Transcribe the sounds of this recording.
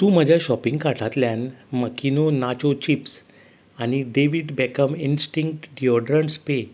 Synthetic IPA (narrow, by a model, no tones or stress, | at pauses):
t̪ũːm̤əd͡ʑʱjaɕɔpĩŋɡkaʈʰat̪ljãnməkinonat͡ɕot͡ɕips | aɽ̃iɖeʋiɖbɛkəminsʈĩŋk̚ʈɖiɔɖɾəɳspe